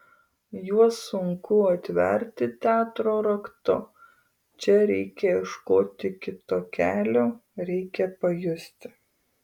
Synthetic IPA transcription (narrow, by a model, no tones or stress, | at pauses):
juɔsʊŋkʊɐt̪ʲʋʲɛ̰ɾʲt̪ʲɪt̪ʲæːt̪ɾoːɾɐkt̪ʊ | t͡ʃʲɛɾʲɛɪkʲɛɪʃkoːt̪ʲɪkʲɪt̪oːkʲæːlʲoːɾʲɛɪkʲɛpɐjʊsʲt̪ʲɪ̥